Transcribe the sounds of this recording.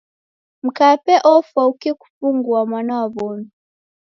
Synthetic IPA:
m̩kapɛʔɔfaukɛku̥fuŋɡuamwanawaβɔnɔ

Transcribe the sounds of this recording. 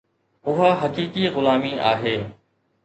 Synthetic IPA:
ʊɦaːɦəkiːkiːɣʊlaːmiːʔa̰ːɦeː

